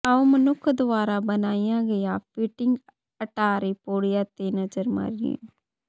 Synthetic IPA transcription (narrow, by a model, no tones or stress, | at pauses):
əõːmənʊkʰːd̪ʊaːɾaːbənaːijãːɡəjaːpɪʈɪŋɡ | əʈaːɾeːpoːɽɪjãːt̪eːnəzəɾma̰ɾiḛ̃